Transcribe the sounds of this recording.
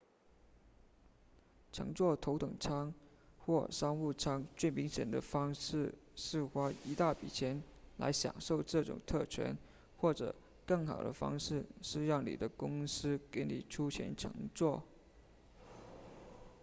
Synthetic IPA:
ʈ͡ʂʰɤ̰˧˥ŋt͡swɔ˥˩t̪ʰo˧˥ʊt̪ɤ˨˩ŋʈ͡ʂʰɑ˥ŋ | xwɔ˥˩ʂɑ˥ŋu˥˩ʈ͡ʂʰɑ˥ŋt͡swe˥˩ɪmi˧˥ŋɕjɛ̰˨˩nd̪ə̰˦fɑ˥ŋʂɻ̩˥˩ʂɻ̩˥˩xwa˥i˧˥t̪a˥˩pḭ˨˩t͡ɕʰjɛ˧˥nla̰˧˥ɪɕjɑ̰˨˩ŋʂo˥˧ʊʈ͡ʂɤ˥˩ʈ͡ʂʊ̰˨˩ŋt̪ʰɤ˥˩t͡ɕʰɥɛ̰˧˥n | xwɔ˥˩ʈ͡ʂɤ̰˨˩ | kɤ˥˩ŋxɑ̰˨˩ʊd̪ə̰˦fɑ̰˥ŋʂɻ̩˥˩ʂɻ̩˥˧jɑ˥˩ŋnḭ˨˩d̪ə˦kʊ˥ŋsɹ̩˥ke˧˥ɪnḭ˨˩ʈ͡ʂʰu˥t͡ɕʰjɛ̰˧˥nʈ͡ʂʰɤ̰˧˥ŋt͡swɔ˥˩

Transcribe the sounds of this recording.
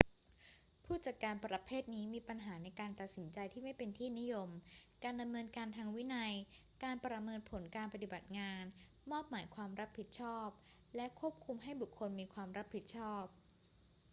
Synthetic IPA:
pʰuː˥˩t͡ɕa˨˩t̪̚kːaː˧npɾa˧pʰeː˥˩t̪̚niː˦˥miː˧pa˧nɦaː˩˦na˧jkaː˧nt̪a˨˩t̪̚si˩˦nt͡ɕa˧jt̪ʰiː˥˩ma˥˩jpe˧nt̪ʰiː˥˩ni˦˥jo˧mkaː˧nda˧mnɤː˧nkaː˧nt̪ʰaː˧ŋwi˦˥na˧j | kaː˧npɾa˧mɤː˧npʰo˩˦nkaː˧npa˧t̪i˨˩ba˨˩t̪̚ŋaː˧n | mɔː˥˩p̚maː˩˦jkʰwaː˧mɾa˦˥pʰːi˨˩t̪̚t͡ɕʰɔː˥˩p̚ | lɛ˦˥ʔkʰu˥˩əp̚kʰu˧mɦa˥˩jbu˨˩kʰːo˧nmiː˧kʰwaː˧mɾa˦˥p̚ʰːi˨˩t̪̚t͡ɕʰɔː˥˩p̚

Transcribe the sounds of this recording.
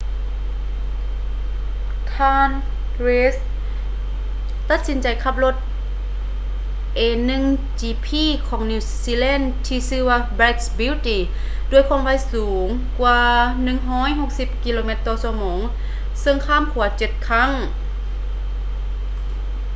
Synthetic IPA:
t̪ʰaː˧n | ɾeː˧˥s | t̪a˧t̪̚si˨˦nt͡ɕa˨˩jkʰa˧p̚lo˧t̪̚ | ʔeː˧nɯ˧˨ŋt͡ɕiː˧pʰiː˧˥˨kʰɔː˩˦ŋniː˧˩siː˧lɛː˧˥˨n | t̪ʰiː˧sɯː˧ʋaː˧bɛ˧˥t̚sbiː˧˥˨t̪i˨ | du˧˥əjkʰɔː˧˩˦ŋʋa˧˥˨jsuː˨˦ŋ | kwaː˧nɯ˧˨ŋɦɔː˧˥˨jɦo˧˥k̚si˧˦p̚ki˧loː˧me˧˥t̪ːɔː˧su˧mɔː˩˦ŋ | sɤ˧ŋkʰaː˧˥˨mkʰu˨˩˦ɐt͡ɕe˧˦t̪̚kʰa˧˥˨ŋ

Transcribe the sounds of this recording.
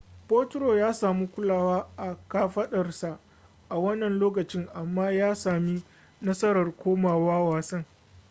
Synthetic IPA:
poː˦tɾoː˨jaː˦saː˨mu˦kʷʊ˦laː˦˨waː˦ʔa˨kaː˦ɸɐ˦ɗɐ˨rsa˨ | ʔa˨wɐ˦nːɐ˨nloː˦k̬ɐ˨t͡ʃɪ˦ŋʔa˨mːaː˦jaː˦saː˨mi˦ | nɐ˦sɐ˦ɾɐ˨rkʷoː˦maː˨waː˦waː˨sɐ˦ŋ

